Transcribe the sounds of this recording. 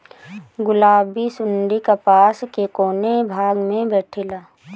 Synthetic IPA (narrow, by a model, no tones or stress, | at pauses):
ɡʊlaːbisʊnɖ̪ikapaːskekoːnebʱaːɡmẽbɛːʈʰɪlaː